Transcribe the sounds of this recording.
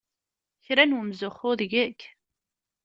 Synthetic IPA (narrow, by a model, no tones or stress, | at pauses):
çɾænwəmzʊχʊðʝækː